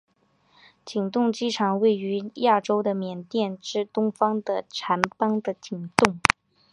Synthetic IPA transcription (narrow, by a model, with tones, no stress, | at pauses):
t͡ɕi˨˩ŋt̪ʊ˥˩ŋt͡ɕi˥ʈ͡ʂʰɑ˨˩ŋwe˥˩ɪy˧˥ja˥˩ʈ͡ʂo˥ʊd̪ə˨mjɛ˨˩nt̪jɛ˥˩nʈ͡ʂɻ̩˥˩t̪ʊ˥ŋfɑ˥ŋd̪ə˨ʈ͡ʂʰa˧˥npɑ˥ŋd̪ə˨t͡ɕi˨˩ŋt̪ʊ˥˩ŋ